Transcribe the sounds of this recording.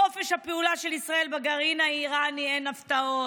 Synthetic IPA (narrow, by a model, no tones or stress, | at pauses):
o̞feʃhapeulaʃelisʁae̞lbaɡaʁinaiʁanienaft̪ao